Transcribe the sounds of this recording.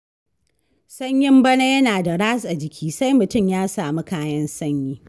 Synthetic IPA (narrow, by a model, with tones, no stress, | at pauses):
sɐ˦ɲjɪ˦mbɐ˦ne˦jɐ˦naː˨da˨ɽaː˦sʼa˨d͡ʒɪ˨kʲʰiː˦sa˦jmʊ˨tʊ˦˨mjaː˦saː˨mi˦kaː˦jɐ˦nsɐ˦ɲjiː˦